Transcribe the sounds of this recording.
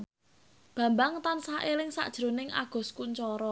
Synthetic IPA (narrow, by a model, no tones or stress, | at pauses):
b̥ä̤mbaŋt̪ansaʔelɪŋsa̰ʔd̥ʒ̥ɾo̤nɪŋʔa̰ɡ̥ɔ̤skuɲt͡ʃɔɾɔ